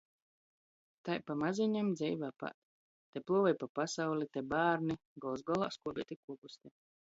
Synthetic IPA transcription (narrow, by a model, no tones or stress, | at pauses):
t̪ajpamaziɲamd̪zʲɛjvaːpa̰t̪ː | eplˠuɔvajpapasawlʲit̪ebaːɾni | ɡɔlˠzɡɔlˠa̰ːskuɔbʲiɛt̪ʲikuɔbusʲt̪ʲɛ